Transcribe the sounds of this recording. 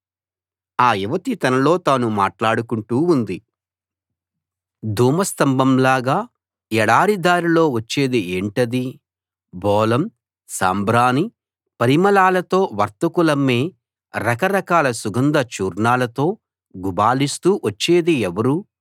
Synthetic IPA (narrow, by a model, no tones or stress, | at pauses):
aːiʋɐt̪it̪ɐnɐlo̞ːt̪aːnumaːʈlaːɽukuɳʈuːund̪i | d̪ʱuːmɐst̪ɐmbɐmlaːɡaː | ɛɽaːɾid̪aːɾilo̞ːʋɐt͡ʃːe̞ːd̪ieːɳʈɐd̪i | bʱɔːlɐm | sa̰ːmbɾaːni | pɐɾimɐlaːlɐt̪o̞ːʋɐɾt̪ɐkulɐmːeː | ɾɐkɐɾɐkaːlɐsuɡɐnd̪ɐt͡ʃuːɾɳaːlɐt̪o̞ː | ɡubaːlist̪uːʋɐt͡ʃːe̞ːd̪iɛʋɐɾuː